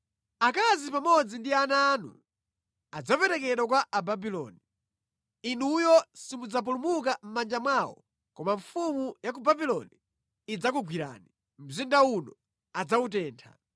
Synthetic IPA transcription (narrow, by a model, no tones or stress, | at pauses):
akazipamɔd͡zindianaːnṵ | ad͡zapɛɾɛkɛɗwakwaʔababilɔ̰ːni | inujɔsimud͡zap̬ulumuk̬am̩mand͡ʒamwawɔ̰ | kɔmaɱfumujakubabilɔ̰niː | d͡zakuɡwiɾa̰ːni | m̩zindaunɔ | ad͡zaut̬ɛːntʰa̰